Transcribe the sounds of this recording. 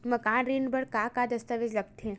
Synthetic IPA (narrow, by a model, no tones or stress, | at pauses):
məkãːnɾiːnbəɽkakad̪əst̪aʋed͡ʒləɡt̪ʰẽ